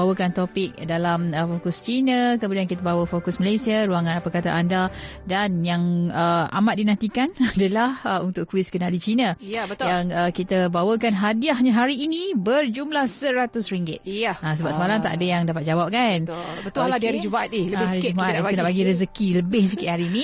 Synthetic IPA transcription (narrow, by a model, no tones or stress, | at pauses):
awəkant̪opɪk̚dalaməfokust͡ʃinakəmudiankit̪abawəfokusməlajsiaɾuaŋanpəkat̪aʔandadanjaŋəʔa̰mat̪̚dinãnt̪ikanadalahəunt̪ʊkːuwiskənalit͡ʃinajbət̪jaŋəkit̪abawəkanɦadiahɲaɦaɾiːnibərd͡ʒumlahsəɾat̪ʊsɾiŋɡɪt̪̚aasəbapsəmalamt̪a̰ʔadajaŋdapat̪̚d͡ʒawap̚kan | bət̪aladiaɾid͡ʒubaat̪̚iləaɾiubaʔat̪iunaʔbaɡiɾəzəkiləbɪhs̬əkɪt̪̚haɾiinĩ